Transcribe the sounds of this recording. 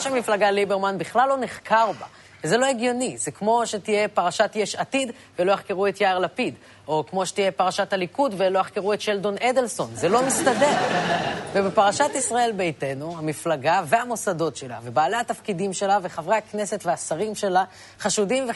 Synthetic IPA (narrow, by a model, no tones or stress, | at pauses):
ʃeamiflaɡalibeʁmanbiχlalːo̞neχkʰaʁba | ze̞lo̞eɡjo̞nizekmo̞ʃet̪ije̞paʁaʃat̪jeʃat̪id̪ | velo̞jaχkeʁuet̪jaːʁlapid̪ | o̞kmo̞ʃet̪ije̞paʁaʃat̪halikudvelo̞jaχkeʁuet̪ʃeldo̞ne̞d̪elso̞nzelo̞mistad̪e̞ʁvebepaʁaʃat̪isʁae̞lbejte̞nuhamiflaɡaveamo̞sado̞tʃe̞la̰ve̞baːleat̪afkidimʃe̞lave̞χavʁeakne̞se̞tveaːsaʁimʃe̞la | χaʃudimve